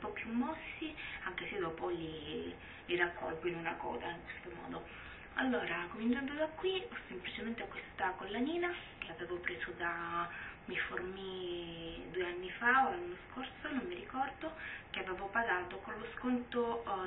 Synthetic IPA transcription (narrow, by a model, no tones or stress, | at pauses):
pɔpːjumːɔsːiaŋk̟esed̪ɔːpoli | lirakʰːɔ̰lɡinonakɔ̰ːd̪aiŋkwest̪omɔ̰ːd̪o | a̰lːoːɾakomint͡ʃand̪od̪akːwiɔsːemplit͡ʃement̪eakːwest̪akolːaniːna | keaveːvopɾeːzod̪a | miformi | d̪ueanːifaolːaanːoskorsonomːiɾikɔrd̪ok̟eaveːvopaɡaːt̪okonloskont̪o